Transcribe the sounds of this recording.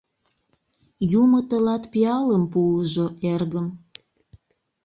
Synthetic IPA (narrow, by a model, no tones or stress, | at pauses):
jumət̪əlɑt̪piɑləmpuəʒoʔerɣəm